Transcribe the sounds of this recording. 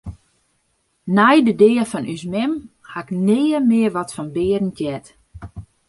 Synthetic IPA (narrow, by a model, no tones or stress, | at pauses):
nɛjdədɪːəfɔnʔysmɛm | haɪknɪːəmɪərʋɔtfɔnbɪːəɾən̩tjɛt